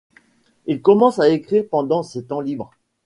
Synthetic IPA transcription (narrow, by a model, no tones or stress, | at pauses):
ilkɔmɑ̃saekχiʁpɑ̃d̪ɑ̃set̪ɑ̃libʁ